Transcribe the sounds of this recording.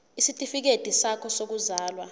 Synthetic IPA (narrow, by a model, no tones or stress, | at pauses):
isitʼifik̬ed̥ʱisakʰɔsok̬uzaːlwa